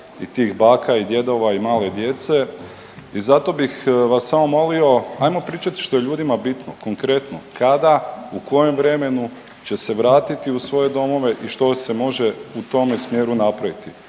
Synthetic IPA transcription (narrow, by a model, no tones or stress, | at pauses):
it̪iːxbaːkaid̪je̞d̪o̞ʋaimaːle̞d̪je̞t̪se̞ | izat̪o̞bixʋasːamo̞mo̞lio̞ajmo̞pɾiːt͡ʃat̪i̥ʃt̪o̞je̞ʎuːd̪imabit̪noko̞ŋkɾe̞t̪nokad̪auko̞je̞mʋɾe̞me̞nu | t͡ɕe̞se̞ʋɾaːt̪it̪iusʋo̞je̞d̪o̞mo̞ʋe̞ʔiʃt̪o̞se̞mo̞ʒe̞ut̪o̞mesmje̞ːɾunapɾaʋit̪i